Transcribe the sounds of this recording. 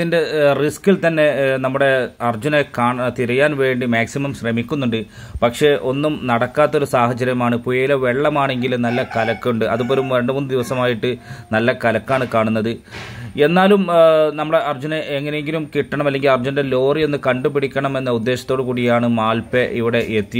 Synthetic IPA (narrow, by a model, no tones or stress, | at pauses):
inde̞riskilt̪ɐnːe̞nɐmːuɽe̞ɐrd͡ʑunekaːɳt̪iɾɐjaːnʋe̞ːɳɖimaːksimɐmɕrɐmikʲːunːuɳɖɨ | pɐkʂe̞ʔo̞nːumnɐɽɐkːaːt̪ːo̞ɾusaːhɐt͡ɕːɐɾjɐmaːɳɨpujɐjileʋe̞ɭːɐmaːɳe̞ŋɡilnɐlːɐkɐlɐkːuɳɖɨɐðupoːlumɾeɳɖɨmund̪ɨd̪iʋɐsɐmaːjiʈːɨnɐlːɐkɐlɐkːaːɳɨkaːɳunːɐðɨe̞nːaːlumnɐmːuɽe̞ʔɐrd͡ʑuneeŋːɐnejeŋɡilumkiʈːɐɳɐmɐlːe̞ŋɡilɐrd͡ʑunde̞lo̞ːrije̞nːɨkɐɳɖupiɽikʲːɐɳɐme̞nːɐud̪ːe̞ːɕɐ̥t̪ːo̞ːɽɨkuːɽijaːɳɨmaːlpeʔiʋiɽe̞ʔet̪ːi